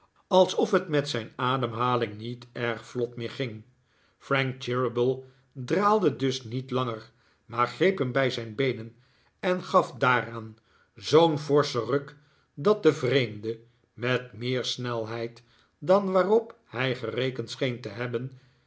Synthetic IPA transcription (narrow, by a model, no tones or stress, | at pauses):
ɑlˠsɔfɦətmɛtsɛjnaːdəmɦaːlɪŋnitɛɹχflɔtmɪːɹχɪŋ | frɛŋk̚t͡ʃɪɹəbəlˠ | draːlˠdədɵsnitlɑŋəɹ | maːɹχrejpɦəmbɛjzɛjnbejnən | ɛnχɑfdaːraːn | zownvɔɹsərøk | dɑt̚dəvrejmdə | mɛtmɪːɹsnɛlˠɦɛjt | dɑnʋaːrɔp | hɛjχərejkəntsχejntəɦɛbən